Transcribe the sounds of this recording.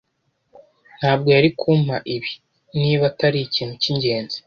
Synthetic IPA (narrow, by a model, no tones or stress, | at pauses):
n̥haːb̚ɡo̞jaɾikʰumaʔiβi | niːβataɾicin̥uciɲɟe̞ːnzi̥